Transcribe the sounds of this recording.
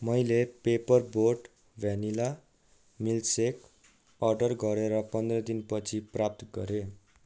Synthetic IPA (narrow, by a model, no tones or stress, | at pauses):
mʌjlepepʌrboɖ | bʱanila | milsek | ʌrɖʌrɡʌɾeɾʌpʌnd̪rʌd̪inpʌt͡sʰiprap̚t̪ɡʌ̰ɾe